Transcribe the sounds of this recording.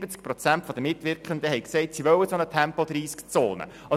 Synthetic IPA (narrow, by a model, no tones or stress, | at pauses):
b̥ət͡sk̚pɾɔt͡sænt̪fɔd̪əmɪt̪ʋɪɾkχənd̪əhɛɪksɛɪt̪siʋœwəsɔnətʰæmpɔd̪ɾiːskt͡soːnə̰ | ɑ